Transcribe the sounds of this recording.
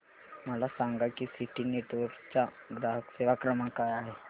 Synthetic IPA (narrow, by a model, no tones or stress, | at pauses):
malasãŋɡakisiʈineʈʋəɾt͡ʃa | ɡɾaɦəkseːʋakɾəmakajaɦe